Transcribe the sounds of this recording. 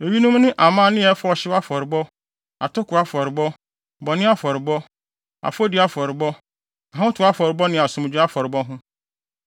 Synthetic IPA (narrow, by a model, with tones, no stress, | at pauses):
e˨ɥi˦nʊ̃˦m˦nɪ̃˦ʔa˨mã˦nɪ̃˦ɛ˨˦fɔ˨ɕɪ˦wa˦fɔ˨ɾɪ˨bɔ˦ | a˨tʰʊ˦kʰʊ˨a˦fɔ˨ɾɪ˨bɔ˦ | bɔ˨nɪ̃˦a˦fɔ˨ɾɪ˨bɔ˦ | a̰˨fɔ˦dɪ˨˦a˦fɔ˨ɾɪ˨bɔ˦ | a˨ã˦tʰʊ˨a˦fɔ˨ɾɪ˨bɔ˦nɪ̃˨a˨sʊ̃˨m˨d͡ʑᶣʊ˦a˦fɔ˨ɾɪ˨bɔ˦ɦʊ̃˦